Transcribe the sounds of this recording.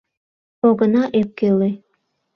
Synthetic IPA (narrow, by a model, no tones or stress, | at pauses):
oɣənɑʔep̚kele